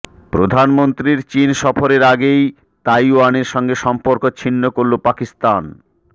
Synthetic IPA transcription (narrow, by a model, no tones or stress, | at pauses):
pɾod̪ʱanmont̪ɾiɾt͡ɕinʃɔfoɾeɾaɡej | t̪ajuaneɾʃɔŋɡeʃɔmpoɾkot͡ɕʰinːokoɾlopakist̪an